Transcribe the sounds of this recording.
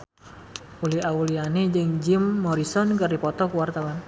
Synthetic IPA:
uliaulianid͡ʒəŋd͡ʒɪmːɔɾisɔnkɨrdipɔt̪ɔkuwart̪awan

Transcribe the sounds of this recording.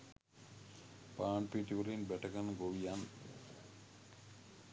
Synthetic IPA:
paːɳpiʈipoɾinbɛʈakanɡowijan

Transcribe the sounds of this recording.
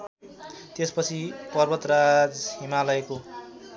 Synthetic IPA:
t̪espʌt͡sʰipʌrbʌt̪rad͡zhimalʌjko

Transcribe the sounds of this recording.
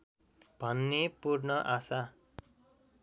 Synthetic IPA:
b̥ʱʌnːepurnʌʔasa

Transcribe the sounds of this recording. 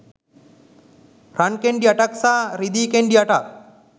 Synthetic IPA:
ɾankeɳɖiaʈaksaːɾid̪iːkeɳɖiɐʈak

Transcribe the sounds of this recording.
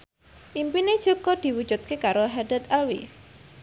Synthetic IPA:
ʔimpined̥ʒ̥ɔ̤ɡɔd̪̥i̤wud̥d͡ʒ̥ut̪̚kekaɾoɦadat̪ɛlwḭ

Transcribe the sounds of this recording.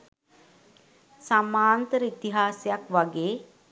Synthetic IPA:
samaːnt̪əɾəit̪iɦaːsjakʋaɡeː

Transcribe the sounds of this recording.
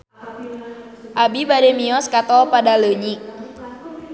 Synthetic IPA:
ʔabibademiɔskat̪ɔpadaloɲik

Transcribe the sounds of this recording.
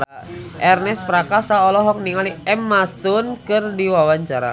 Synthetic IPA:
ʔɛrnɛspɾakasaɔlɔɦɔk̚niŋaliɛmːast̪ʊnkɨrdiwawaɲt͡ʃaɾa̰

